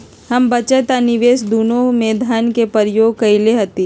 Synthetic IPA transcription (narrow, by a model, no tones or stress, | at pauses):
ɦɐmbɐt͡ʃət̪anɪʋeːsd̪uːnõmeːd̪ʱaːnkepəɾjoːɡ̚kɐileɦɐt̪i